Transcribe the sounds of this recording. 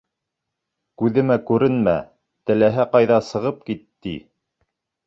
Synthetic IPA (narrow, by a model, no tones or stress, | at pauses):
kʉðɘ̆mækʉɾɘnmæ̰ | t̪ɘ̆læɦæqɑjðɑsɤ̆ʁɤp̚kit̪ːḭ